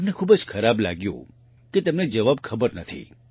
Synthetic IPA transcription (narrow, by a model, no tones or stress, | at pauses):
əmnekʰubəd͡ʒxʰəɾabla̰ɡjṵ̃ | ket̪əmned͡ʒəʋabkʰəbəɾnət̪ʰḭ